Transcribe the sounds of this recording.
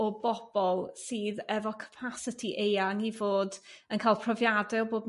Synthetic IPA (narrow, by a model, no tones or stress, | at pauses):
ɔbɔb̥ɔlˠsɨːðɛvɔkʰə̥pʰasətʰiʔejaŋivoːdənkʰaːlˠpʰrɔvjadɛɔboːd